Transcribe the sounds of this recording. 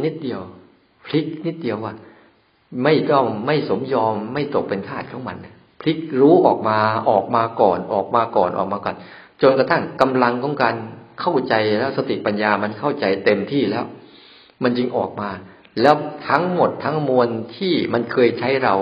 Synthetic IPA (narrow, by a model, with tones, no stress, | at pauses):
ni˦˥t̪̚di˧əw | pʰli˦˥k̚ni˦˥t̪̚di˧əwaː˥˩ | ma˥˩jt̪ɔ˥˩ŋːa˥˩jso˩˦mjɔː˧mːa˥˩jt̪o˨˩k̚pe˧nk̪ʰaː˥˩t̪̚kʰɔː˩˦ma˧nːa˧˥˩ | pʰli˦˥k̚ɾuː˦˥ʔɔː˨˩k̚maː˧ʔɔː˨˩k̚maː˧kɔː˨˩nʔɔː˨˩k̚maː˧kɔː˨˩nʔɔ̰ː˨˩k̚maː˧kɔ˨˩n | t͡ɕo˧nka˧t̪ʰa˥˩ŋka˧mla˧ŋkʰɔː˩˦˥ŋkaː˧nkʰa˥˩wt͡ɕa˧jlɛː˦˥wsa˧t̪i˨˩pa˧njaː˧ma˧nkʰa˥˩wt͡ɕa˧jt̪e˧mt̪ʰiː˥˩lɛː˦˥w | ma˧nt͡ɕi˧ŋʔɔː˨˩k̚maː˧ | lɛː˦˥wt̪ʰa˦˥ŋmo˨˩t̪ʰːa˦˥ŋmu˧ənt̪ʰiː˥˩ma˧nkʰɤː˧jt͡ɕʰa˦˥jɾa˧w